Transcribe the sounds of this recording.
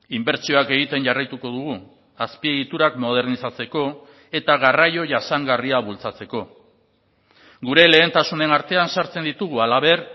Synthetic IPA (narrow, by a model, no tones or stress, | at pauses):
imbe̞ɾt͡sio̞ake̞ɣit̪e̞nʝarajt̪uko̞ðuɣ̞u | aspie̞ɣit̪uɾakmo̞ð̞e̞ɾnisat͡se̞ko̞ | e̞t̪aɣarajo̞ʝasaŋɡariaβult͡sat͡se̞ko̞ | ɡuɾe̞le̞ːnt̪asune̞naɾt̪e̞ansaɾt͡se̞nd̪it̪uɣ̞ualaβe̞ɾ